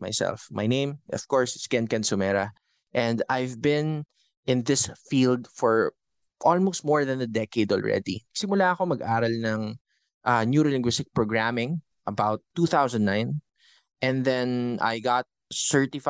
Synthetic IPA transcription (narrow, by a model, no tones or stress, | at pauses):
ma̰jsɛ̰lfma̰jnẽɪ̃mɔ̰v̥kɔɹsɪskɛ̃nkɛ̃nsʊmɛɾɐ | ʔɛ̃nd̪ajvbɪ̃n | ʔɪ̃nðɪsfild̪fɔɹ | ʔɔlmoʊst̪̚mɔɹðɐ̃nɐd̪ɛkeɪd̪ɔ̰lɹɛ̰d̪inɐɡ̥sɪmʊlaɐkomɐɡʔaːɾɐlnɐŋ | ʔɐnjuɾɪlɪ̃ŋɡwɪst̪ɪk̚pɹoɡɹamɪ̃ŋ | ʔɐbawt̪ːuːθawsɐ̃nd̪nãɪ̃n | ʔɛ̃nðɛ̃na̰jɡɑt̪̚sɛ˞t̪ɪf